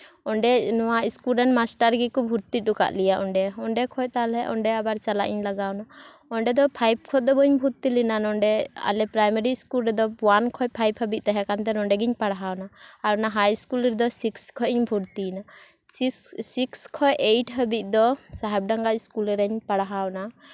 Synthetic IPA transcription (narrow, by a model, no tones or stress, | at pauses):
ɔɳɖɛnɔwaiskulɾɛnmasʈaɾɡikɔbʱuɾt̪it̪̚ɗuka̰ʔlijaʔɔɳɖɛɔɳɖɛkʰɔjt̪alɛʔɔɳɖɛabaɾt͡ʃala̰ʔḭɲlaɡawna | ɔɳɖɛd̪ɔpʰajb̚kʰɔt̪̚d̪ɔbɔɲbʱuɾt̪ilinanɔɳɖɛa̰lɛpɾajmɛɾiskulɾɛd̪ɔwankʰɔjpʰajbhəbic̪̚ˀt̪ɛɦɛkant̪ɛnɔɳɖɛɡiɲpaɽaɦawnaaɾnaɦajiskulɾd̪ɔsikskʰɔʔiɲbʱuɾt̪ina | sissikskʰɔjʔeʈɦəbit̪̚ˀd̪ɔsaɦɛb̚ɖaŋɡaʔiskulɾɛɲpaɽaɦawna